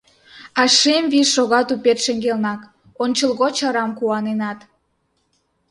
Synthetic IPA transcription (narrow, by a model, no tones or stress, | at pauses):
ɑʃemvisʃoɣɑt̪upet̪ʃə̆ŋɡelnɑk | onʲt͡ɕəlɣot͡ɕɑɾɑmkuɑnenɑt̪